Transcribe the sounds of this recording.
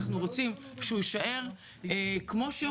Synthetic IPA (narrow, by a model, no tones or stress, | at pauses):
χnuʁo̞t͡simʃeujiʃaʔe̞ʁ | kmo̞ʃe